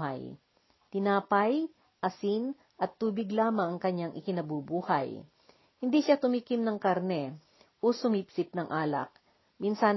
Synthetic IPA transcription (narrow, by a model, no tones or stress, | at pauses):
ha̰j | t̪ɪnaːpɐj | ʔɐsin | ʔɐt̪ːuːbɪɡlaːmɐŋɐŋkɐɲːaŋʔɪkɪnɐbubuːhɐ̰j | hɪnd̪iʃat̪ʊmikɪmnɐŋkɐɾnɛ | ʔosʊmipsɪp̚nɐŋʔaːlɐ̰k̚ | minsan